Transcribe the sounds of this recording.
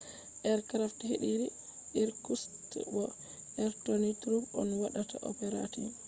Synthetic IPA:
ʔɛɾkɾaftheɗiɾi | ɗiɾkustbɔ | ɛɾtonitɾubɔnwaɗata̰ʔɔ̰pɛɾa̰ti

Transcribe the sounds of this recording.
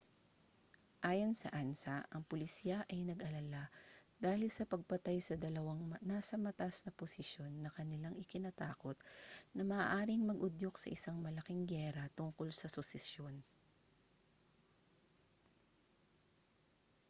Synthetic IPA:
ʔaːjonsɐ̰ʔansɐʔɐŋpʊlɪsjaʔɐjnɐɡʔɐlalad̪̥aːhɪlsɐpɐɡ̚pɐt̪ajsɐd̪ɐlɐwaŋnaːsɐmɐt̪asnɐposɪʃjo̞nːɐkɐnɪlaŋʔɪkɪnɐt̪aːko̞t̪̚nɐmɐʔaʔaːɾɪŋmɐɡʔʊd̪joksɐ̰ʔɪsaŋmɐlɐkɪŋɡɛːɾɐt̪ʊŋko̞lsɐsʊsɪsjo̞n

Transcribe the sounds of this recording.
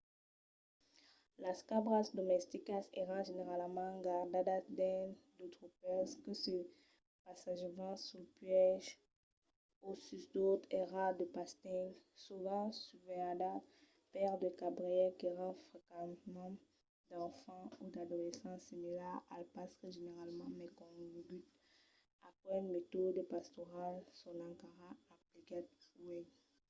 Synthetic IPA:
laskabʁasd̪ɔmɛst̪ikaseʁɑ̃ʒeneʁalmɑ̃ɡaʁd̪ad̪ad̪ɛ̃nd̪ət̪ʁupɛskəsə | pasaʒemɑ̃sulpɥɛʒ | osysd̪ot̪eʁad̪əpast̪ɛŋsuvɑ̃syvɛad̪a | pɛʁd̪əkabʁiɛkeʁãfχekɑ̃t̪mɑ̃ | d̪ɑ̃fɑ̃ud̪ad̪olesɑ̃similɛʁalpasʁeʒeneʁalmɑ̃mɛkɔ̃vebyt̪ | apwɛnmet̪od̪əpast̪ɔʁalsɔnɑ̃kaʁaːplikat̪̚uɛ

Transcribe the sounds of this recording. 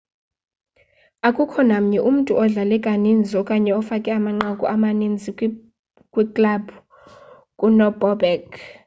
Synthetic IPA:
akʼukʰɔnam̩ɲɛʔum̩tʼuɔɮalɛkʼanind͡zʱɔkʼaɲɛɔfakʼɛamaŋ͡ǃakʼuʔamanind͡zʱi | kʼwikʼlab | kʼunɔbɔbɛk

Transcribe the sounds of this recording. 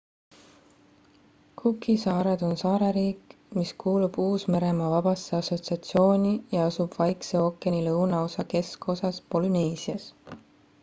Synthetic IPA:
kʰukːisɑːɾed̪̥o̞nsɑːɾeɾiːk | miskuːlub̥uːsme̞ɾe̞mɑvɑb̥ɑseɑso̞t̪siɑt̪sio̞ːnʲijɑɑsub̥vɑjkseo̞kːˑenʲilɤwnɑo̞sɑke̞sko̞sɑspo̞lune̞ːsiɑs

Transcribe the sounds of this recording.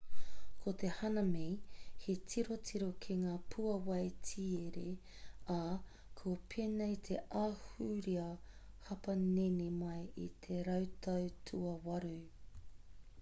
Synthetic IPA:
kʰot̪e̞hɐnɐmejhetʰiɾotʰiɾokʰeŋaːpʰuɐwɐjtʰieɾea | kʰopʰenejt̪ʰeʔaːhuɾiɐ | hɐpɐnenemɐjḭt̪ʰeɾɐwt̪ʰɐwtʰuɐwɐɾu

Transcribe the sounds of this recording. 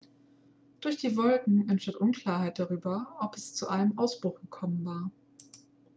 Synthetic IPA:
d̥ʊɐçd̥iːvɔlkŋ̩ɛnʃtantʔʊnkʰl̥aːɐɦaɪt̚d̥aʁ̞yːbɐʔɔpɛst͡suʔaɪnəmʔaʊsb̥ʁʊχɡ̥əkʰɔmənvaːɐ

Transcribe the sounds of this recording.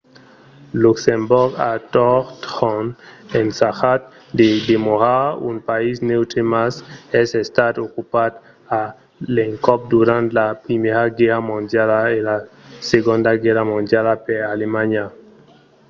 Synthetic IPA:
luksemboɾɡa̰t̪oɾt̪ɔnensaxat̪̚ | d̪ed̪emoɾaṵnpaisnewt̪ɾemasesest̪at̪okupad̪ | a | leŋkɔp̚d̪uɾãnt̪lapɾimeɾaɡeɾamõnd̪jalaelaseɣõnd̪aɡeɾamõnd̪jalapeɾalemaɲa

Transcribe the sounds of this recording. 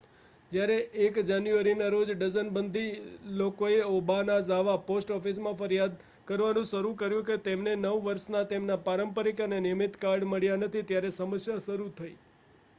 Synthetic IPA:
d͡ʒjaɾeʔːkd͡ʒanjuʋəɾinaɾod͡ʒɖəzənbənd̪ʱilokoeɔbanazaʋaposʈɔfismãfəɾjad̪̚ | kəɾʋanũʃəɾũkəɾjũket̪emnenəʋʋəɾʃnat̪emnapaɾəmpəɾikənenɪjəmit̪kaɾɖməɭjanət̪ʰit̪jaɾesəməsjaʃəɾut̪ʰəi

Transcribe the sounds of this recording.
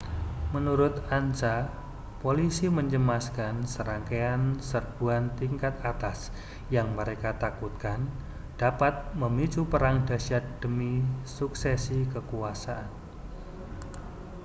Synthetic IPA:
mənuɾʊt̪ant͡ʃa | polisiməɲd͡ʒəmaskansəɾaŋkeansərb̥uant̪iŋkat̪̚at̪as | jaŋməɾekat̪akut̪̚kan | d̥apat̪̚məmit͡ʃupəɾaŋda̤ʃad̥əmisuksɛsikəkuasaʔan

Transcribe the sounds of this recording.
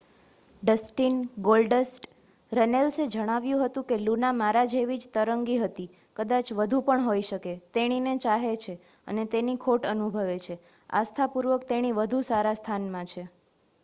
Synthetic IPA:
ɖəsʈinɡolɖəsʈ | ɾənelsed͡ʒəɽ̃aʋjũɦət̪ũkelunamaɾad͡ʒeʋid͡ʒt̪əɾəŋɡiɦət̪i | kəd̪at͡ʃʋəd̪ʱũpəɳɦoiʃəket̪eɽ̃inet͡ʃaɦet͡ʃʰe | ə̰net̪enikʰoʈənubʱəʋet͡ʃʰe | a̰st̪ʰapuɾʋəkt̪eɽ̃iʋəd̪ʱusaɾast̪ʰanmãt͡ʃʰe

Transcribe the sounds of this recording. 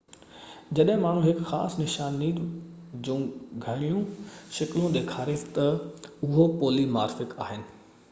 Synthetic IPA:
d͡ʑɐɗɦɪ̃maːɳ̤ũɦɪkxaːsnɪʃaːniːd͡ʑũːɡʱɐɽ̃ijũʃɐkɪlũd̪eːkʰaːɾet̪ɐʊɦopoːlimaːɾfɪka̰ːɦɪnɪ̆

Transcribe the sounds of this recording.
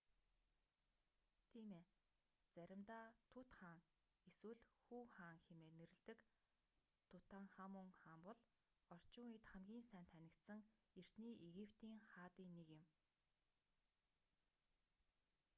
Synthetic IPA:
t̪ʰiːmeː | t͡sæɾʲɪ̆mt̪aːt̪ʰʊt̪χaːŋ | eswɘ̆ɮxuːχaːŋxemeːneɾɘ̆ɮt̪ɘ̆k | t̪ʰʊt̪aːŋχamʊŋχaːmpɔɮ | ɔr̥t͡ɕʊːŋet̪χæmɡʲiːnsæːnt̪ʰænʲɪ̆kt̪sɘ̆ŋ | er̥t̪niːʔeɣipʰt̪iːŋχaːt̪iːnːekɪ̆m

